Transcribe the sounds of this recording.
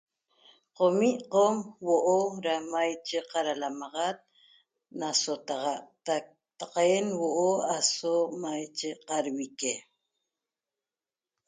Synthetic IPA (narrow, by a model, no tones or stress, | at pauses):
qomiʔqomwoʔoɾamajt͡ʃeqaɾalamɑʁat̪̚ | nasot̪aʁɑʔt̪ak̚ | t̪aqenwoʔoasomajt͡ʃeqaɾwike